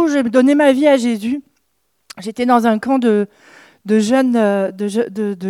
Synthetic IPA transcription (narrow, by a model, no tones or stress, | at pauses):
uʒeməd̪ɔnemaviaʒezy | ʒet̪ɛd̪ɑ̃zɛ̃kɑ̃d̪ə | d̪əʒœnød̪əʒd̪əd̪ə